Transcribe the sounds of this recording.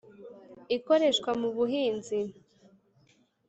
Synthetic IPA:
iko̞ɾe̞ʃkwamuβuhiːnzi

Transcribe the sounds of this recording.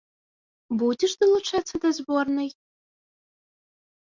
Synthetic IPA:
budʲɪʂd̪ɨlˠuʈ͡ʂʰat͡sad̪azbornɨj

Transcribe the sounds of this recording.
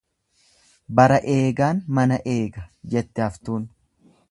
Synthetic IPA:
bɐɾɐʔe̞ːɡaːnmɐnɐʔe̞ːɡɐd͡ʒɛt̪ːɛɐft̪uːn

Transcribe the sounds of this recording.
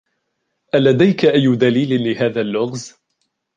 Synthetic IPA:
ʔalad̪ajkaʔajːʊd̪aliːlɪlɪhaːðalːʊɣz

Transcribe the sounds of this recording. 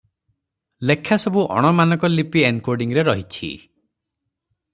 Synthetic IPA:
lekʰːasɔbuʔɔ̰ɽ̃ɔmanɔŋkɔlipienkoɾɖiŋɾeɾɔɦit͡ʃʰḭ

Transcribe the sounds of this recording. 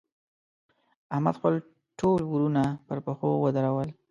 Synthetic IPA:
ahmad̪xpəl | ʈʰolwuɾunapəɾpəxowəd̪əɾawəl

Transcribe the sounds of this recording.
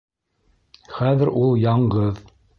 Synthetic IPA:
χæðɘɾʔulˠjɑɴɢɤð

